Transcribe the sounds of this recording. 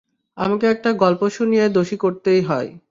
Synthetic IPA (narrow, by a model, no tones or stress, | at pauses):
a̰makeɛk̚ʈaɡɔlpoʃunijed̪oʃikoɾt̪ejɦɔe